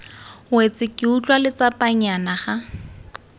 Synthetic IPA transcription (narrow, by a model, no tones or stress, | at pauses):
wet͡sɪkʼɪut͡ɬʼwalɪt͡sapʼaɲanaχa